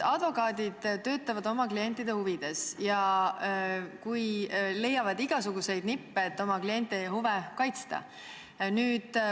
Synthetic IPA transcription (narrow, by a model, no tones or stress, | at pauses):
ɑd̪̥vo̞kɑːd̪id̪̥t̪ːø̞ːt̪ːˑɑvɑd̪o̞mɑklie̞nʲt̪ːˑid̪̥e̞huvid̪̥e̞sjɑ | kujle̞jːɑvɑd̪iɡ̥ɑsuɡ̥use̞jd̪nipːeːt̪ːˑo̞mɑklie̞nʲt̪ːˑehuvekɑjt̪st̪ɑ̰ | nyːd̪̥